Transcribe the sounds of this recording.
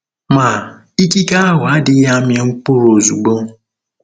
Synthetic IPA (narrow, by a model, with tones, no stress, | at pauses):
ma˨ | i˦ki˦ka˦a˦ɦʊ˨a˦dɪ˦ja˦mɪ˦ŋ̩˦k͡pʊ˦ɾo˨zu˨ɡ͡bo˦